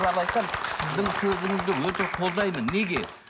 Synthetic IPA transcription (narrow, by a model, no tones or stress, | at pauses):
zɑlˠɑjt̪ɑnsɪzd̪ɪŋsɵzɪŋɪzd̪ɪwɵt̪e̞qʰo̞lˠd̪ɑjmənːeɡʲe̞